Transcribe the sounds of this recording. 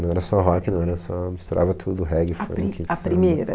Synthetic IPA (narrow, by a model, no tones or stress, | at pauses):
ñw̃ɛɾɐsɔɦɔkɪnɐ̃w̃ɛɾɐsɔmist̪uɾʔa̰vɐt̪ʰud̪ʊɦɛɡɪfɾɐ̰̃kʰiaɾimejɾɐ̰